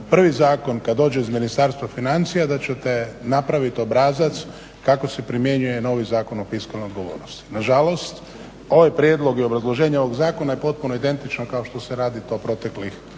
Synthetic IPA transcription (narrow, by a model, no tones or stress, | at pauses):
pr̩ʋizaːko̞nkad̪d̪ːo̞ːd͡ʒe̞izminist̪aɾst̪ʋafinant̪sijad̪at͡ɕet̪e̞napɾaʋit̪io̞bɾaːzat̪s | kako̞se̞pɾimje̞ɲuje̞no̞ʋizaːko̞nofiskalnejod̪ɡo̞ʋo̞̰ːɾnost̪i̥naʒalo̞st̪ | o̞ʋajpɾjed̪lˠo̞ɡio̞bɾazlˠo̞ʒeːɲao̞ʋo̞ɡzaːko̞naje̞po̞t̪̚puno̞id̪e̞nt̪it͡ʃnokao̞ʃt̪o̞seɾaːd̪it̪o̞pɾo̞t̪e̞klix